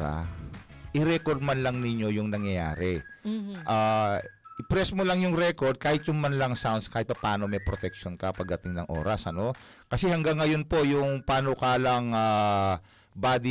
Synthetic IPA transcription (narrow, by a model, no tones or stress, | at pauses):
a̰ | ʔɪɾɛkoɾd̪̚manlɐŋnɪɲjo̞jʊŋnɐŋjɐja̰ːɾɛ | ʔaːʔɪpɾɛsmolɐŋjʊŋɾɛko̞ɹd̪̚kaːhɪt̪̚jʊŋmɐnlɐŋsawnskaːɪt̪̚pɐpaːno̞mɐjpɾot̪ɛk̚ʃonkɐpɐɡ̚d̪ɐt̪ɪŋnɐŋʔo̞̰ːɾɐsʔɐno̞ | kɐsɛhɐŋɡaŋːɐjo̞npo̞jʊŋpaːnokaːlɐŋa | baːd̪i